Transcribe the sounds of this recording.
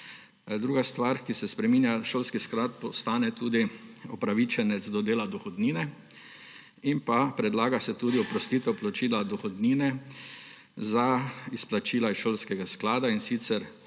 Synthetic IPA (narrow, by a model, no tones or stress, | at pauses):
d̪ɾuːɡast̪ʋaɾkisɛspɾɛmiːnjaʃoːlskisklat̪̚pɔst̪aːnɛt̪uːd̪iɔpɾaʋit͡ʃɛnɛd̪zd̪ɔd̪eːlad̪ɔxɔd̪niːnɛ | impapɾɛd̪laːɡasɛt̪uːd̪iɔpɾɔst̪it̪ɔplɔt͡ʃiːlad̪ɔxɔd̪niːnɛ | zaisplat͡ʃiːlaisʃoːlskɛɡasklaːd̪ainsit̪sɛɾ